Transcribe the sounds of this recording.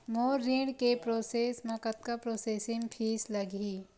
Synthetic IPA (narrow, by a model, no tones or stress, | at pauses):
moːɾĩːɽkepɾoːseːsmɐkət̪̚kapɾoːseːsɪ̃ŋpʰiːslɐɡiː